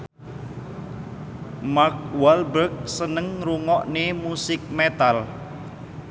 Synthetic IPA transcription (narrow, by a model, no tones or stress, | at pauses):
mak̚walbək̚sənəŋɾuŋɔʔnemusɪk̚met̪al